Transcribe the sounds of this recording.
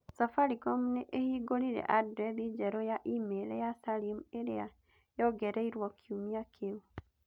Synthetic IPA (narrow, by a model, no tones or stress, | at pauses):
safaɾiɡɔmuneʔehiːɡoɾiɾɛ̰ʔadɾɛðid͡ʒɛɾɔjaʔimeɾɛjasalimeɾea | jɔɡɛɾɛiɾwɔkʰiumiakʰeu